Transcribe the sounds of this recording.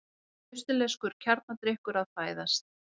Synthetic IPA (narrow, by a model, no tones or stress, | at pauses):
ʏst̪ʏleskʏɾ̥cʰaɾt̪̚nat̪ɾɪhkʏɾaðfaːjðast̪̚